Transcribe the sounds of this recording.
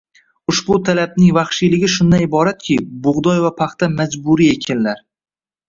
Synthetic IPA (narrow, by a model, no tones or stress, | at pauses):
ʊʃbʊt̪ʰalab̚nɪŋvɑχʃilɪɡʲɪʃʊnd̪anɪbɒɾat̪̚kʲʰɪbʊʁd̪ɒjvapʰaχt̪amad͡ʒbʊɾiekʲʰɪnlaɾ